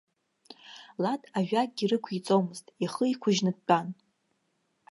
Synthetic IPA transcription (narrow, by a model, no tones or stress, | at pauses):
latʼaʒᶣatʼɡʲirɨkʷʰit͡sʼowmɨztʼiχəikʷʰʊʒnɨd̚t͡pʼan